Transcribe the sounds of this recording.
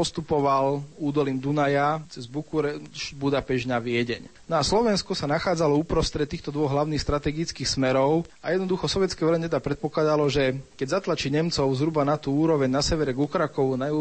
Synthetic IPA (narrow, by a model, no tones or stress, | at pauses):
pɔst̪upɔʋaluːd̪ɔliːmd̪unajat͡sɛzbukuɾɛʃbud̪apɛʒnaʋɪɛɟɛ̰ɲnɔaslɔʋɛnskɔsanaxaːd͡zalɔuːpɾɔst̪ɾɛt̪ːiːxt̪ɔd̪ʋɔɣɦlaʊnixst̪ɾat̪ɛɡit͡skiːxsmɛɾɔʊajɛd̪nɔd̪uxɔsɔʋjɛtt͡skɛjʋɛlɛɲɛt̪ɛd̪apɾɛt̪̚pɔklad̪alɔʒɛkɛɟzat̪lat͡ʃiɲɛmt͡sɔʊzɦɾubanat̪uːuːɾɔʋɛɲnasɛʋɛɾɛɡukɾakɔʋunaju